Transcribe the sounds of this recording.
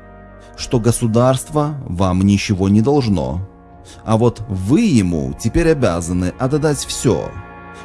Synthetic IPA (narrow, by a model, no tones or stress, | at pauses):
ʂt̪o̞ɡəsʊd̪arst̪vəvamnʲɪt͡ɕɪvo̞nʲɪd̪ɐlˠʐno̞̰ | ɐvot̪vɨjɪmṵtʲɪpʲeɾʲɐbʲa̰zənɨʔɐt̪ɐd̪atʲfsʲɵ̰